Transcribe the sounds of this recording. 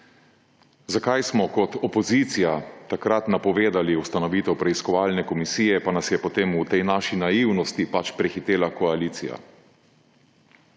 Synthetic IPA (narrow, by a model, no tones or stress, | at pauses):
zakajsmɔkɔt̪ɔpɔzit̪sijat̪akɾat̪napɔʋeːd̪aliwst̪anɔʋiːt̪ɛwpɾɛiskɔʋaːlnɛkɔmisiːjɛpanasjɛpɔt̪eːmut̪ɛjnaːʃinaiwnɔst̪ipat͡ʃpɾɛxit̪eːlakɔaliːt̪sḭja̰